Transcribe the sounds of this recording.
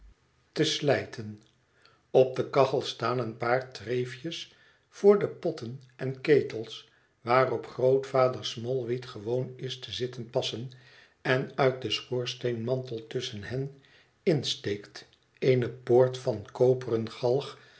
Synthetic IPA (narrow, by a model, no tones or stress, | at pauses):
təslɛjtʰən | ɔp̚dəkɑχəlˠstaːnənpaːɹtrejfjəs | fʊːɹdəpɔtənʔɛnkejtəlˠs | ʋaːrɔpχrowtfaːdəɹsmɔlˠʋitχəʋownɪstəzɪtənpɑsən | ɛnœɥt̚dəsχoːɹsteɪnmɑntəlˠtʏsənɦɛn | ɪnstejkt | enəpoːɹtfɑnkowpərənχɑlˠχ